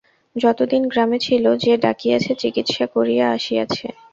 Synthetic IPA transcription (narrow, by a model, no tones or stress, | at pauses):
d͡ʑɔt̪od̪inɡɾamet͡ɕʰilod͡ʑeɖa̰kijat͡ɕʰet͡ɕikit̪ʃakoɾijeaʃijat͡ɕʰḛ